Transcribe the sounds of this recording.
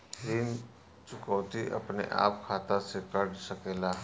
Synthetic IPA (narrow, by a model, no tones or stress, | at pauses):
ɾiːn | t͡ʃʊkɔːwt̪iʔɐ̰pnḛʔa̰ːp̚kʰaːt̪asekəɾɽsəkeːlaː